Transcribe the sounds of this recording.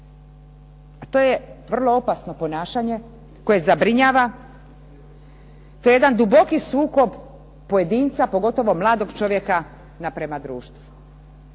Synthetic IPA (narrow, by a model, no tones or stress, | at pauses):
at̪o̞ːjeʋr̩lˠo̞o̞pasno̞po̞naːʃaɲe̞ | ko̞je̞zabɾiɲaːʋa | t̪ojejed̪and̪ubo̞kisuːko̞b | poje̞d̪iːnt̪sapo̞ɡo̞t̪o̞ʋo̞mlˠaːd̪o̞ɡt͡ʃo̞ʋje̞ka | napɾemad̪ɾuːʃt̪ʋu